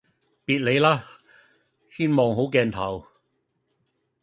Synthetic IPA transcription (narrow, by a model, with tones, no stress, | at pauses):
piː˨t̚le˨˧jlaː˥ | siː˥nmɔː˨˧ŋɦo˨˥wkɛː˧nt̪ʰɐ˨˩w